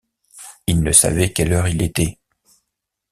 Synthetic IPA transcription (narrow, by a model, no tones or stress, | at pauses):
ilnəsa̰vɛkɛlœʁilet̪ɛ